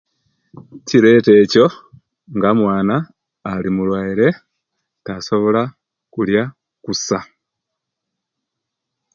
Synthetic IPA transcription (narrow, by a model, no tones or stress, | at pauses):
ciɾe̞ːte̞ːco̞ | ŋɡamwaːnaː | limulwaiɾe̞ | taso̞βo̞la | kulja | kusa